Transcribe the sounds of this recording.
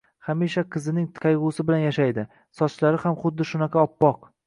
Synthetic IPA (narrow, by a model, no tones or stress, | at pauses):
χamiʃaqʰɨzɪnɪŋqʰɑjʁʊsɪbɪlanjaʃajd̪ɪ | sɒt͡ʃlaɾɪhamχʊd̪ːɪʃʊnaqʰɑɒpːɒq